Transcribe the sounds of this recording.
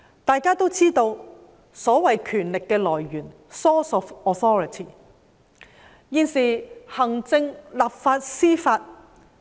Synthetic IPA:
t̪aː˨˧jkaː˥t̪o˥wt͡siː˥t̪o˧w | sɔː˨˥wɐ˨jkʰyː˨˩nlɪ˨kːɛː˧lɔː˨˩jɥyː˨˩n | sɔː˥sɔ˧fɔ˨θɔː˥ɹɪ˨t̪ʰi˨˩ | jiː˧nsiː˨hɐ˨˩ŋt͡sɪ˧ŋlaː˨p̚faː˧t̚siː˥faː˧t̚

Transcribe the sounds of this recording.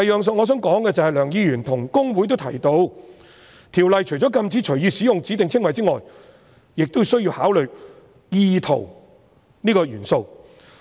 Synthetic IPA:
ɐ˨jœː˨ŋs̬ɔ˨ŋɔː˨˧s̬œː˨˥ŋkɔː˨˥ŋkɛː˧t͡sɐ˨˧whɐ˨jlœː˨˩ŋjiː˧jyː˨˩nt̪ʰʊ˨˩ŋkʊ˥ŋwu˨˥jt̪o˥wtʰɐ̰˨˩jt̪o˨˧w | t̪ʰiː˨˩wlɐ˨jt͡ʃʰɵ˨˩jt͡sɔː˨˥kɐ˧mt͡sʰiː˨˧t͡ʃʰɵ˨˩ɥjiː˧siː˨˥jʊ˨ŋt͡siː˨˥t̪ɪ˨ŋt͡sʰɪ˥ŋwɐ˨˩jt͡siː˥ŋɔː˨j | jɪ˨k̚t̪o˥wsɵ˥ɥjiː˧whaː˨˥wlɵ˨˧ | jiː˧t̪ʰo̰˨˩w | niː˥kɔː˧jyː˨˩nso˧w

